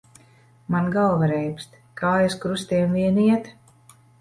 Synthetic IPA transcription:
manɡalvaɾɛjpst̪ | kaːjaskɾust̪iɛnviɛniɛt̪

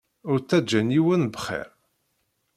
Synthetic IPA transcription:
ʊɾt͡sːæd͡ʒːæniwənbχɛ̰ɾ

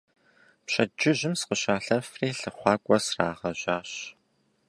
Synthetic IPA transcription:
pɕɐd͡ʒɪʑɪmsqəɕaːɬɐfreːɬɨχʷɑːkʷʼɔsraːʁɐʑaːɕ

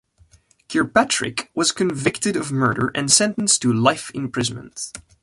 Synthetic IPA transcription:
kʰɛɹpætʰɹ̥ɪ̰kwʌz̥kɨ̃nvɪktɨɾʌvmɜ˞ɾə̰˞ʔɨ̃nsɛ̃ntə̃n̩stʰɨlaɪfɪ̃mpʰɹ̥ɪz̃nmə̰̃nt

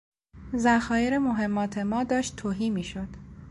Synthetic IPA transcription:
zæxɒːjeɾemoɦe̞mːɒːt̪ʰe̞mɒːd̪ɒːʃt̪t̪ʰoːɦiːmiːʃod̪̥

